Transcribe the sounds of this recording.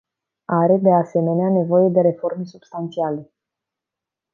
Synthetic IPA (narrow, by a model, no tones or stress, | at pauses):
aɾe̞d̪e̞ase̞me̞neane̞vo̞je̞d̪e̞ɾe̞fo̞rme̞subst̪ant̪siale̞